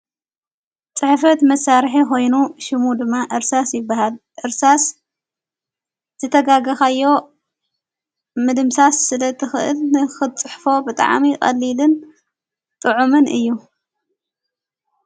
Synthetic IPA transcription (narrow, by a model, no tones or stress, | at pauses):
t͡sʼɨħfɐt̪mɐsaɾħiko̞jnuʃɪmud̪ɨmːaʔɨɾsasjɪbːaɦalʔɨɾsas | z̥ɨt̪ʰɐɡaɡɐxajːo̞ | mɨd̪ɨmsasːɨlɐt̪ʰɨxɨʔɨ̰lnɨxɨt͡sʼɨħfo̞bɨt̪ʼa̰ʕmikʼɐ̰lːilɨn | t̪ʼɨʕumɨnʔɨjːu